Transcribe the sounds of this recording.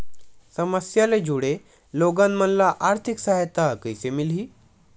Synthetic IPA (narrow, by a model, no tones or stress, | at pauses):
səməsjaled͡ʑuɽe | loɡanmənlaʔaɾt̪ʰiksaɦet̪akəjsemilɦiː